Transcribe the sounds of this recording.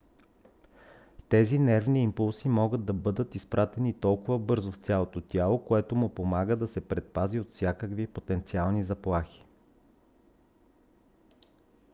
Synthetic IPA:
t̪ɛzinɛɾvniːmpulˠsimɔɡəd̪̚d̪ɐbɤd̪ət̪ispɾʔat̪ɛnit̪ɔlˠkʊvəbɤɾzoft̪sʲjalˠot̪ot̪ʲjalˠokoɛt̪omʊpomaɡəd̪ɐsɛpɾɛt̪̚paziot̪fsʲjakəkvipot̪ɛnt̪sialˠnizɐplˠaxi̥

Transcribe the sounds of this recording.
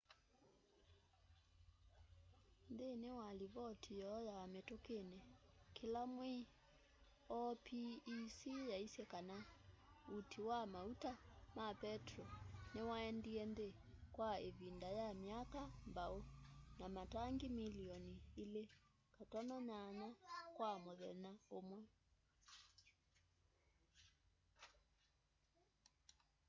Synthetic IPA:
ndenewaliβɔtʰijɔjaametokenɛkelamwe | ɔpʰiːsijaisɛkanautʰiwamautamapɛtrɔnewaɛndiɛnde | kwaeβindajamiakambaonamataŋɡimiliɔniːle | katɔnananakwamoðɛnaomwɛ

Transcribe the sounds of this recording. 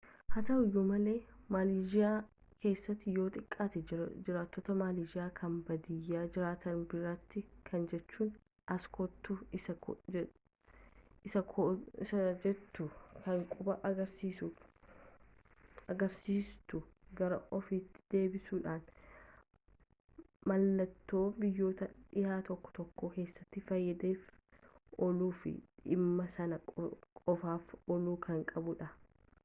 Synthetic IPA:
hɐt̪ɐʔʊjːʊmɐle̞ːmaːlid͡ʒɪaː | kʰe̞ːsːɐt̪ːɪjo̞ːt̪ʼɪkʼːaːt̪ɛd͡ʒɪɾaːt̪ːɔt̪ɐmaːliːd͡ʒɪaːkʰɐmbɐd̪ɪjːaːd͡ʒɪɾaːt̪ɐnbɪɾɐt̪ːɪkʰɐnd͡ʒɛt͡ʃːuːn | ʔɐskʰɔt̪ːu | ɪsɐkʰɪsɐd͡ʒɛt̪ːʊkɐŋkʼʊbɐʔɐɡɐɾsiːsʊ | ɐɡɐɾsiːst̪ʊɡɐɾɐʔɔfiːt̪ːɪ̥d̪̥e̞ːbɪsuːᶑaːn | mɐlːɐt̪ːo̞ːbɪjːo̞ːt̪ɐᶑɪhaːt̪ɔkːɔ̥t̪ɔkːoːke̞ːsːɐt̪ːɪfɐjːɐd̪e̞ːf | ɔluːfɪ̰ɪmːɐsɐnɐkʼɔfaːfɔluːkʰɐŋkʼɐbʊᶑɐ

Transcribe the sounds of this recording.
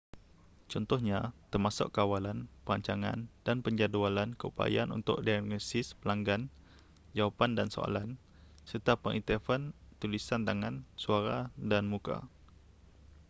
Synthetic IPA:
t͡ʃɔnt̪ɔhɲat̪ərmasʊ̰kːawalanpəaɲt͡ʃaŋa̰ndanpəɲd͡ʒadualankəupa̰ja̰nʔṵnt̪ʊ̰ʔdaɡɔsɪspəlaŋɡan | d͡ʒawapandanso̰a̰lan | sərt̪apəŋʔit̪əfənt̪ulisant̪aŋãnsuaɾadanmũka̰

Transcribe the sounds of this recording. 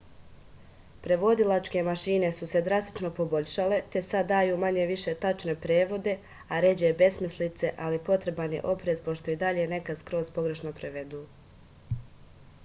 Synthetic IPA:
pɾe̞ʋo̞d̪ilˠat͡ʃke̞maʃiːne̞suse̞d̪ɾast̪i̥t͡ʃno̞po̞bo̞ʎʲʃale̞t̪e̞sad̪ːaːjuːmaɲeʋiʃe̞t̪at͡ʃne̞pɾeːʋo̞d̪e̞ | aɾe̞d͡ʑebe̞smislit̪se̞ʔalipo̞t̪ɾe̞banje̞̰ʔo̞pɾe̞zpo̞ʃt̪o̞id̪aʎe̞ne̞kaskɾo̞ːzpo̞ɡɾe̞ʃno̞pɾeʋe̞d̪uː

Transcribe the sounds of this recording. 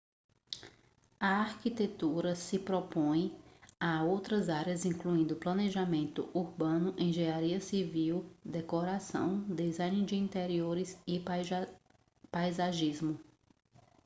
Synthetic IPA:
ɐaɾkit̪et̪uɾɐsɪpɾɔpõj̃aowt̪ɾɐzaɾjɐzĩŋkluĩnd̪ʊplɐ̃neʒamẽnt̪ʊuɾbɐ̃nʊʔẽj̃ʒeaɾiɐsiviwd̪ekoɾasɐ̰̃w̃d̪ezãjnɪd͡ʒɪĩnt̪eɾioɾɪzɪ | pajzaʒizmʊ

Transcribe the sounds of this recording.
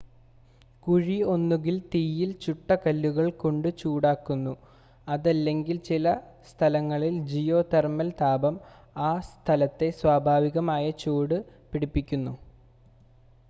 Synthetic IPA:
kuɻio̞nːuɣilt̪iːjilt͡ɕuʈːɐkɐlːuɣɐɭkoɳɖɨt͡ɕuːɽaːkːunːu | ɐðɐlːe̞ŋɡilt͡ɕilɐ | st̪ʰɐlɐŋːɐɭild͡ʑijo̞ːt̪ermɐlt̪ʰaːbɐm | aːst̪ʰɐlɐt̪ːe̞swaːbʱaːʋiɣɐmaːjɐt͡ɕoːɽɨpiɽipːikʲːunːu

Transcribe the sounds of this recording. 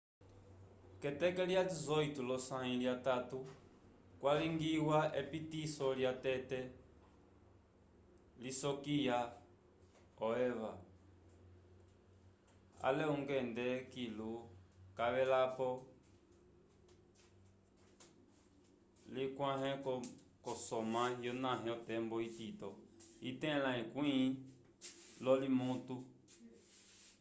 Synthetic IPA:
kɛtɛkɛljalizɔitulɔsãĩljatatu | kwaliŋɡiwaʔɛpitisɔljatɛtɛ | lisɔkija | ɔɛva | a̰lɛuŋɡɛndɛkilukaβɛlapɔ | likwãɦɛ̃kɔ | kɔsɔmãjɔnãɦɛ̃ɔtɛmbɔititɔitɛ̃lãĩkwĩ | lɔlimũtu

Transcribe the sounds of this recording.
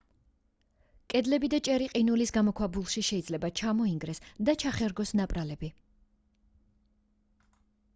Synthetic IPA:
kʼɛd̪lɛbid̪at͡ʃʼɛɾiqʼinulisɡamɔkʰwabulˠʃiʃɛid̪zlɛbat͡ʃʰamɔiŋɡɾɛsd̪at͡ʃʰaχɛɾɡɔsnapʼɾalɛbi

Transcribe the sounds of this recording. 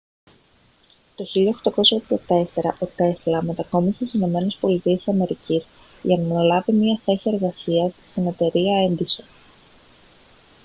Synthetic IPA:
t̪o̞çiliɐxt̪ɐko̞sɐd̪ɐt̪e̞se̞ɾɐʔo̞t̪e̞slɐme̞t̪ɐko̞misesino̞me̞ne̞spo̞lit̪iesisɐme̞ɾicis | ʝɐnɐɐlɐvimɲiɐθe̞sie̞ɾɣɐsiɐsːt̪ine̞t̪e̞ɾiɐe̞nd̪ison

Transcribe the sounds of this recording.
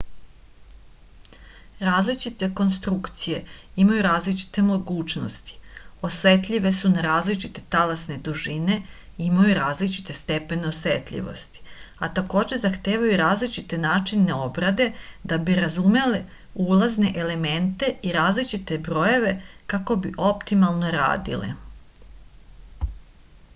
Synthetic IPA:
ɾaːzlit͡ʃit̪e̞ko̞nst̪ɾukt̪sije̞imajuɾaːzlit͡ʃi̥t̪e̞mo̞ɡuːt͡ʃno̰st̪i̥o̞sʋe̞t̪ʎʲiʋe̞sunaɾaːzlit͡ʃit̪e̞t̪alasne̞d̪uʒine̞ | imajuɾaːzlit͡ʃi̥t̪e̞st̪e̞pe̞neosʋḛt̪ʎʲḭʋo̞̰st̪i̥at̪ako̞ːd͡ʑe̞zaxt̪eːʋajuɾaːzlit͡ʃit̪enaːt͡ʃineo̞bɾad̪e̞d̪abiɾazume̞le | ulazne̞ʔele̞me̞nt̪e̞iɾaːzlit͡ʃit̪e̞bɾo̞jeʋe̞kako̞biʔo̞pt̪imalˠno̞ɾa̰ːd̪ḭlḛ

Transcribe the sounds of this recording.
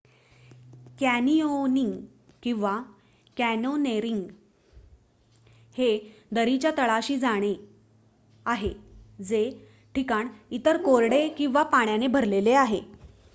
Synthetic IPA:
kænioniŋɡ | kĩw̃ʋa | kænoneɾiŋɡ | hed̪əɾit͡ɕjat̪əɭaɕiːd͡zaɽ̃e | aɦed͡ze | ʈʰikaɳit̪əɾkoɾɽekĩw̃ʋapaɳjanebʱəɾleleaɦe

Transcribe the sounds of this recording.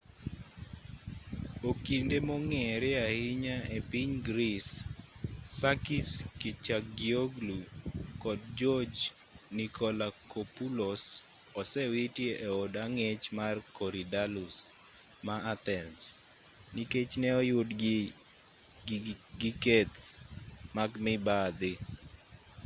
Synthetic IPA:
okindemoŋɛɾɛahɪɲaepiɲɡɾisː | akiskit͡ʃakɡioɡlukɔd̚d͡ʒɔd͡ʒ | nikʰɔlakopulos | ɔsɛwitjeʔeodaŋet͡ʃmarkɔɾidalus | maat̪ɛns | niket͡ʃnɛɔjʊdɡ | ɡɪket̪ | maɡmɪbad̪ɪ

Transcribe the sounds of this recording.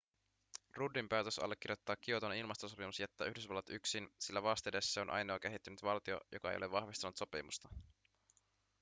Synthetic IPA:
rudːimpæːt̪øsɑ̰lːek̟ːirjo̞t̪ːɑːkːiot̪onilmɑst̪osopimusjæt̪ːæ̰ːyhdysʋɑlːɑt̪yksinsilːæʋɑːst̪edesːseonʔɑ̰jno̞ːk̟e̞ɦit̪ːynyt̪ʋɑlt̪io̰jo̞̰kɑḛjole̞ʋɑhʋist̪ɑnut̪so̞pḭmust̪ɑ

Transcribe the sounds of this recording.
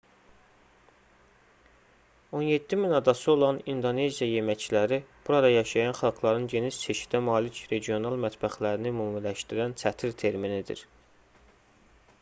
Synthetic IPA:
o̞nje̞d̪ːiminɑd̪ɑsɯo̞lˠɑnind̪o̞ne̞zijɑje̞mæt͡ʃlæɾib̥uɾɑd̪ɑjɑʃɑjɑnχɑlˠɡlˠɑɾɯnɟe̞nid͡ʒsʰe̞ʃi̥d̪æmɑːlicɾe̞ɟijo̞nɑlˠmæt̪bæxlæɾinimuːmlæʃt̪iɾænt͡sʰæt̪ʰiɾt̪ʰe̞ɾminid̪ḭɾ

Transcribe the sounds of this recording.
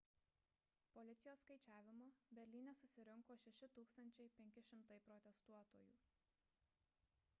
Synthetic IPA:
pɔlʲɪt̪sʲɪjoːsːkɐɪt͡ʃʲæːʋʲɪmoːbʲɛɾʲlʲiːnʲɛsʊsʲɪɾʲɪŋkoːʃʲɛʃʲɪt̪uːkst̪ɐnʲt͡ʃʲɛɪpʲɛŋʲkʲɪʃʲɪmt̪ɐɪpɾɔt̪ʲɛst̪uɔt̪oːjṵː

